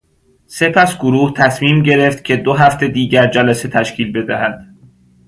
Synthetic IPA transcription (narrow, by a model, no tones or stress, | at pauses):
se̞pʰæsɡoɾuːht̪ʰæsmiːmɟe̞ɾe̞ft̪̚cʰe̞d̪oɦæft̪e̞d̪iːɟæɾd͡ʒælæse̞t̪ʰæʃcʰiːlbe̞d̪æhæd̪̥